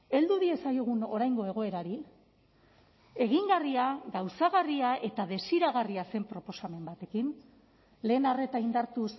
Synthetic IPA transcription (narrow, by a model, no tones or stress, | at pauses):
e̞ld̪uðie̞sajoɣ̞uno̞ɾajŋɡo̞e̞ɣ̞o̞e̞ɾaɾi | e̞ɣiŋɡariaɣawsaɣariae̞t̪aðe̞siɾaɣ̞ariase̞mpɾo̞po̞same̞mbat̪e̞kin | le̞ːnare̞t̪aind̪aɾt̪us